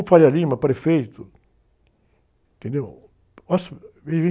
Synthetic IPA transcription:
faɾialĩmɐpɾefejt̪ʊ | t̪ẽnd̪ew | ɔsevẽ

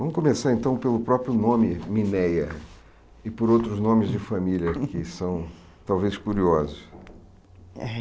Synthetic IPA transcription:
vɐ̃mʊkomesaɾẽnt̪ɐ̃w̃pelʊpɾɔpɾjʊnõmɪminɛjɐ | ɪpʊɾowt̪ɾʊznõmɪzd͡ʒɪfamilʲɐkɪsɐ̃w̃ | t̪awveskuɾiɔzʊs

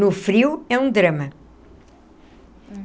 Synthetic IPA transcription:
nufɾiwɛũd̪ɾɐmɐ

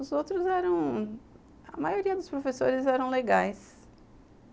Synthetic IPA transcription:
ʊzowt̪ɾʊzɛɾɐ̃w̃ | ɐ̰majoɾiɐd̪ʊspɾofeso̰ɾɪzɛɾɐ̃w̃leɡajs

